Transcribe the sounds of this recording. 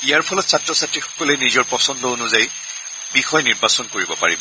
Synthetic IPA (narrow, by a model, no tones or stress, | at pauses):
ijaɹpʰɔlɔtsʰatɹɔsatɹixɔ̥kɔlɛnizɔɹpɔsɔndɔonʊzaj | bixɔjniɹbasɔnkoɹibɔpa̰ɹibɔ